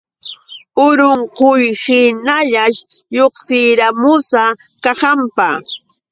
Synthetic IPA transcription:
ʊɾoɴqojhɪnaʎaʃjoχsɪjɾamʊsa | kɑhɑmpa

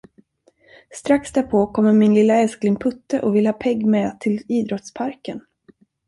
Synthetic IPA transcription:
st̪ɾaksd̪æɾpʰoːkʰɔmːəmɪnlɪlːaɛlsklɪŋpʰɵt̪ːəʔɔvɪləhɑːpʰɛɡːmɛːt̪ʰɪliːd̪ɾɔt̪spʰaɾkən

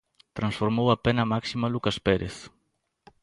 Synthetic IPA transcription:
t̪ɾansfoɾmowapɛnamaksimalukaspɛɾḛθ

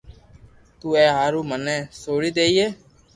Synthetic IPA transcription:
t̪uːɛːɦaːɾuːmənɛ̃ːsoːɽiːd̪eːiːeː

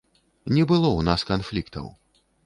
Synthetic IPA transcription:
nʲɛbɨlˠɔwnaskanflʲikt̪ɐ̰w

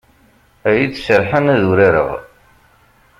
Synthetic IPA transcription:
æjit͡ssəɾħanæðuɾiɾə̰ʁ

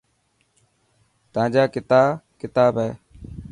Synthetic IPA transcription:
t̪əãːd͡ʒaːkɪt̪aːkɪt̪aːbɦɛː

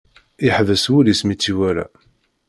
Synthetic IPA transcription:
ɪħvəswulismit͡sːiwæɾa̰

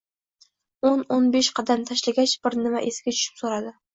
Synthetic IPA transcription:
ononbeʃqʰɑd̪ant̪ʰaʃlaɡʲat͡ʃb̥ɪɾnɪmaʔesɪɡʲat͡ʃʰʊ̥ʃɪ̥psoɾad̪ɪ

